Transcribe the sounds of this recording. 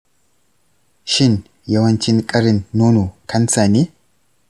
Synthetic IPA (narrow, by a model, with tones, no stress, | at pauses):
ʃɪ˦n | jɛwɐnt͡ʃːɪnkʼɐɾɪ˨nːo˦nu˨kʰɐ˦nsaː˨ni˦